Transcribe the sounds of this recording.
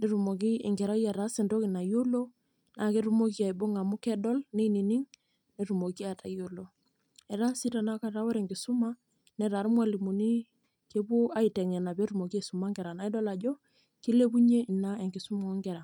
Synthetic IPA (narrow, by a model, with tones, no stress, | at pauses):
ne˦ɾu˨mo˨k̬i˦ḭ˨ŋɡɛ˨ɾa˦ja˨ɾa˦si˨ndo˦ki˨na˨jo˦lo˦ | na˨ke˦ɾu˦mo˦ki˦a˨i˨bo˦ŋa˨mu˦kɛ˦dɔ˦lne˦i˦ni˨ni˦ŋ | ne˨ɾu˨mo˨ki˦a˨ta̰˨jo˦lo˨ | ɛ˨ɾa˦si˦ta˨na˦ka˦ɾa˦wɔ˦ɾɛ˨ŋɡɪ˨su˦ma˦ | nɛ˨ɾa˨ɾmwa˦li˨mo˨ni˦ | ke˦bu˦a˦i˨tɛ˨ŋɛ˨na˨be˦ɾu˨mo˨ki˦e˨su˨ma˦ŋɡɛ˨ɾa˨na˨˦i˦dɔ˦la˨d͡ʒɔ˦ | ki˦le˦bu˦ɲe˦i˨na˦e˨ŋɡɪ˨su˦mo˨˦ŋɡɛ˨ɾa˨